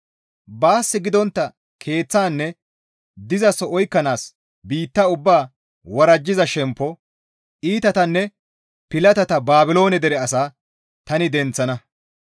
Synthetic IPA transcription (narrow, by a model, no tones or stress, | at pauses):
baːsːɪɡɪd̪ɔnt̪ːɐ | kʰe̞ːt͡sːaːnːɛ | d̪ɪzɐsɔɔjkːɐnaːs | biːt̪ːɐʊbːaː | wɐɾɐd͡ʒːɪzɐʃɛmpːɔ | ʔiːt̪ɐt̪ɐnːɛ | pɪlɐt̪ɐt̪ɐbaːbɪlo̞ːnɛd̪ɛɾɛɐsaː | t̪ɐnɪd̪ɛnt͡sːɐnɐ